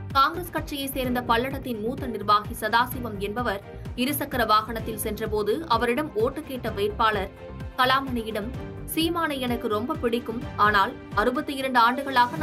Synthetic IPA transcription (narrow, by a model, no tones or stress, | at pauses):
kaːŋɡɾɐskɐʈ̚t͡ʃɪjɐɪseːɾnd̪ɐpɐɭːɐɽɐt̪ːɪnmuːt̪ːɐnɪɾʋaːɣisɐðaːsɪʋɐmɛnbɐʋɐɾ | ɪɾɯsɐkːɐɾɐʋaːɣɐɳɐt̪ːɪlsɛndrɐpoːðɯɐʋɐɾɪɽɐmoːʈːɯkːeːʈːɐʋeːʈ̚paːɭɐɾ | kɐlaːmɐnɐjɪɽɐm | siːmaːnɐɛnɐkːɯɾɔmbɐpɪɽɪkːɯmaːnaːl | ɐɾɯbɐt̪ːɯjɪɾɐɳɖɯaːɳɖɯɣɐɭaːɣɐn